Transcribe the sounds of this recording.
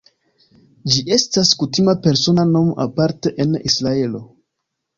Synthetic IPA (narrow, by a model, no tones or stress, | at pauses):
d͡ʒie̞staskutimape̞ɾso̞nano̞mʔa̰paɾteʔenisɾae̞lo̞